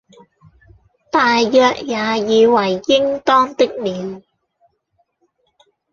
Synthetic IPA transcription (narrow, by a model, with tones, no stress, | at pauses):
t̪aː˨jːœː˨˧k̚jaː˨˧jiː˨˧wɐ˨˩jːɪ˥ŋt̪ɔː˥ŋt̪ɪ˥k̚miː˨˧n